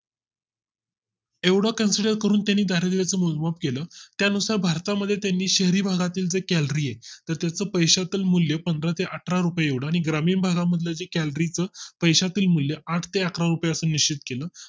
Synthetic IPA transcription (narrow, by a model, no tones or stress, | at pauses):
eʋɽakənsiɖəɾkəɾuːnt̪janːiːd̪ʱaɾed̪eʋet͡səːmulmapkeləːt̪janusaɾbʱaɾt̪aməd̪ʱːjet̪janːiːɕeɦɾiːbʱaɡat̪iːld͡zekælɾiːjet̪əɾt̪jat͡səːpəjɕat̪iːlmuljəpənd̪ɾat̪eʔəʈʰɾaɾupjeeʋɽaːɽ̃iɡɾamiːnbʱaɡaməd̪ʱljəd͡ʑekælɾit͡səːpəjɕat̪iːlmuljəʔaʈʰt̪eəkʰɾaɾupjeəsəːnːiɕt͡ɕit̪keləː